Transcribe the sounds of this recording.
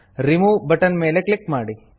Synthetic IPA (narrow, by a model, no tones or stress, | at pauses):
ɾimubəʈənmeːleklik̚maːɽi